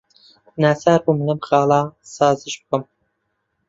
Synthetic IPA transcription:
naːsaːɾbuːmɨnɐmxɑːlˠɑsɑːzɨʃbɨkɨm

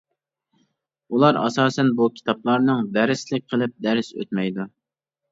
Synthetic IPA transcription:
ulˠɑɾɑ̰sɑːsɛnbukʲʰi̥t̪ʰɑplˠɑɾnɨŋvæɾɪslɪk̚ʲqʰəlˠɨp̚d̪æɾɪsø̰t̪̚mɛjd̪u

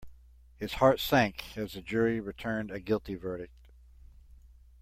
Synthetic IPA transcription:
hɨz̥hɑɹtsæ̃ŋkɨzɨd͡ʒʊɹiɹɨtʰɜ̃˞ndɨɡɪlˠtivɜ˞ɾɨk̚t̚

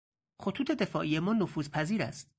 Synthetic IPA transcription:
xot̪ʰuːt̪ʰe̞d̪e̞fɒːʔije̞mɒːnofuːzpʰæziːɾæ̰st̪̚

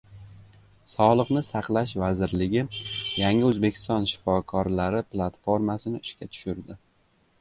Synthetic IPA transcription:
sɒlˠɨqnɪsaqlˠaʃvazɪɾlɪɡʲɪjaŋɪɵzbe̞kʲʰɪ̥st̪ɒnʃɪ̥fɒkʰɒɾlaɾɪplˠat̪fo̞ɾmasɪnɪɪʃkʲat̪ʰʊ̥ʃɪɾd̪ɪ

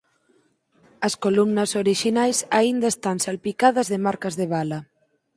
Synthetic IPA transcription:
ɐskolumnɐsoɾiʃinajsaind̪aest̪ansalpikaðɐzðemaɾkɐzðeβ̞alɐ

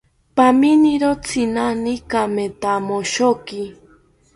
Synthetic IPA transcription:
paminiɾot͡sʰinanikamet̪amoʃoki

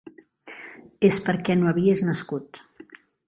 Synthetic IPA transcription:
espəɾkɛnoəβieznəskut̪

